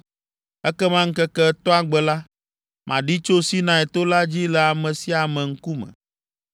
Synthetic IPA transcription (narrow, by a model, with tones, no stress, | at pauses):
ɛ˦kɛ˦mã˦ŋ̩˦kɛ˦kɛ˦t̪ɔ˦a˦ɡ͡bɛ˨la˦ | mʔã˨ɖi˦t͡ʃo˦si˦nã˨˦ɛ˨t̪o˦la˦d͡ʑi˦lɛ˨a˨mɛ̃˨si˦a˨mɛ̃˨ŋ̩˦ku˦mɛ̰̃˨